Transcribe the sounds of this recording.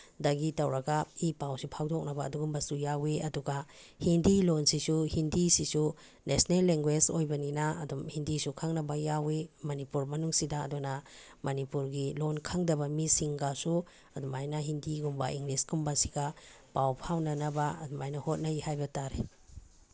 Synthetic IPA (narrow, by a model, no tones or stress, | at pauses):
daɡitɐwɾɐɡaipawsipʰawdɔk̚nɐba̰ːduɡumbɐsujaweɐduɡahindilonsisuhindisisu | nesnelːeŋɡwed͡ʒojbɐninaɐdumhindisukʰaŋnɐbajawemɐnipuɾmɐnuŋsida̰ːduna | mɐnipuɾɡilonkʰaŋdɐbɐmisiŋɡasu | ɐdumajnɐɦindiɡumbaiŋɡlisɡumbasi̥ɡa | pawpʰawnɐnɐbaɐ̰dumajnɐhot̚nɐjhajbɐtaɾe